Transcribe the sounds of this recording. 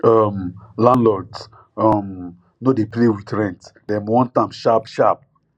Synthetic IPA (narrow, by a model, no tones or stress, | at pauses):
ɔmlãnlɔt | ɔm | nodeplewitɹɛ̃ntdɛmwɔ̃ntãmʃapʃap̚